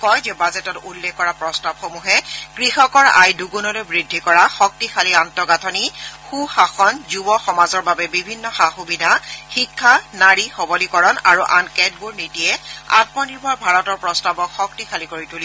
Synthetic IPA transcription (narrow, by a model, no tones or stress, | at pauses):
kɔjzɛbazɛtɔtulːɛkːɔɹapɹɔstab̚xomuɦɛɡ̥ɹixɔkɔɹa̰jduɡunɔlɛbɹidʱːikɔɹaxɔk̚tixʰaliantɔɡatʰɔnixuxaxɔnzubɔxɔmazɔɹbabɛbibʱinːɔxaxubidʱaxikʰːanaɹixɔbɔlikɔɹɔna̰ɹuʔa̰nkɛt̚buɹnitiɛa̰t̚mɔniɹbʱɔɹbʱaɹɔtɔɹpɹɔstabɔkxɔk̚tixʰalikoɹituli